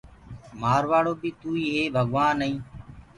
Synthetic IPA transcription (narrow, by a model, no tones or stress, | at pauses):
maːɾʋaːɽoːbiːt̪uːiːeːbʱəɠʋaːnːəɦĩː